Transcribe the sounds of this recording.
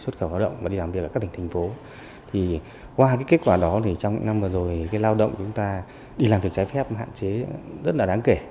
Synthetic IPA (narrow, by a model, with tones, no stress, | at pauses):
swə˦˥t̚xə˧˩wlaː˧wɗə̰˧˨wŋ͡mvaː˨˩i˧laː˨˩mvk̚ːa˦kt̪ʰŋt̪ʰa˨˩ŋ̟fo˨˦ | t̪ʰi˨˩ | kwaː˧kaː˨˦jke˦˥t̚kwaː˧˩ɗɔ˨˦t̪ʰi˨˩t͡ɕɔ˧wŋ͡m̰ŋna˧mvɨ˨˩zo˨˩jkaː˨˦jlaː˧wɗə̰˧˨wŋ͡mt͡ɕʊ˨˦ŋ͡mt̪aː˧ | ɗi˧laː˨˩mvi˨˩ək̚t͡ɕaː˨˦jfɛ˦˥p̚ɦa̰ː˧˨nt͡ɕe˨˦zə˦˥t̚ɗaː˧˩ɗaː˨˦ŋke˧˩